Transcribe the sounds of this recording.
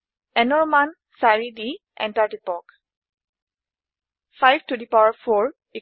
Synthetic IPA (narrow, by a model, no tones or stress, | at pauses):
ɛnɔɹman | saɹidi | ʔɛ̰̃ntaɹtipɔk | fʰajbtudipawaɹfʰɔɹ | i